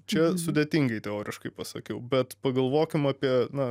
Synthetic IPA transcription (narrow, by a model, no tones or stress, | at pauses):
t͡ʃʲɛsʊd̪ʲeːt̪ʲiːŋɡɐɪt̪ʲɛoːɾʲʔɪʃkɐɪpɐsɐkʲɛʊbʲɛt̪pɐɡɐlˠʋoːkʲɪmɑːpʲiɛnɐ